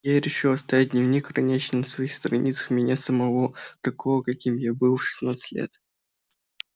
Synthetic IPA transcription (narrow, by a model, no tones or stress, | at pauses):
jaɾʲɪʂɨlˠɐst̪ɐjat̚d̪ʲnʲɪvnʲikrɐnʲet͡ɕnʲənəsvɐixst̪ɾɐnʲʔit̪sə̥xmʲɪnʲasəmɐvot̪ɐkovəkɐkʲimjabɨlˠʂɨ̥snat̪sɨ̥tʲlʲḛt̪